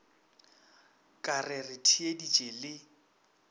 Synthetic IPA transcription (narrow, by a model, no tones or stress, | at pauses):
kʼarɛrɪtʰiedit͡ʃʼelɪ